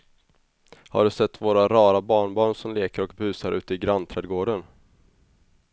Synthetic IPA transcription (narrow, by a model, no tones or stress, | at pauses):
ha̰ɖɵsɛt̪ːvoːɾaɾɑːɾabɑːɳbɑːɳsɔmleːkəɾɔkbʉ̟ːsaɾʔʉ̟ːt̪əɪɡɾant̪ʰɾɛːd̪ɡoːɖən